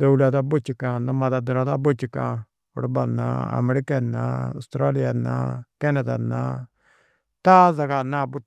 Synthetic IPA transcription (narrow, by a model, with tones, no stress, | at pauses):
do˨u˨la˨da˦bo˦t͡ʃi˨ka˨na˦ma˨da˨dʊ˨ɾa˨da˦bo˦t͡ʃi˨ka˨ | ʊ̰˨ɽba˨na̰˦a̰˨mɛ˨ɾi˦ka˨na̰˦u˨stɾa˦li˦ja˨na̰˦kɛ˦na˨da̰˨na̰˦ | ta˦za˨ka˨na˦˨bʊ˦